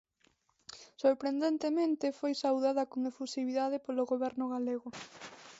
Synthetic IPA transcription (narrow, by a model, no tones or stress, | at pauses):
soɾpɾend̪ent̪emẽnt̪ɪfojsawðaðɐkoŋefusiβiðað̞epoloɣoβɛɾnʊɣaleɣʊ